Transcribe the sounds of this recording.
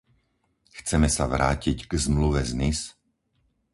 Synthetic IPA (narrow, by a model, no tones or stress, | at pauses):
xt͡sɛmɛsaʋɾa̰ːcicɡ̥zmluʋɛznis